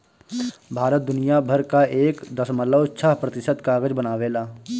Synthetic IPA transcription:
bʱaːɾət̪̚d̪ʊnijabʱəɾkaʔeːkd̪ɐsmələʊt̪saɦpɾɐt̪ɪʃət̪kaːɡəd͡ʒbənaːʋeːlaː

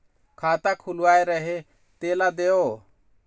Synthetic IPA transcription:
kʰaːt̪akʰulwaːeɾəɦe | t̪eːlad̪eoː

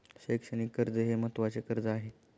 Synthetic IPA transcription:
ɕəjkʂəñiːkəɾd͡zəɦemət̪ʋat͡sekəɾd͡zəaɦe

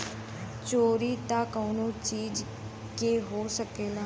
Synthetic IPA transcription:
t͡ʃoːɾiːt̪aːkəʊnõt͡ʃiːd͡ʒ | keːɦoːsəkeːlaː

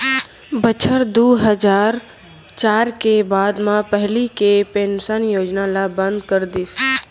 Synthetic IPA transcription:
bət͡ʃʰəɾd̪uːɦəd͡ʒaːɾ | t͡ʃaːɾkebaːd̪mãpəɦlikepeːnʊsaːnjoːd͡ʒnalabə̃nd̪kəɾd̪ɪs

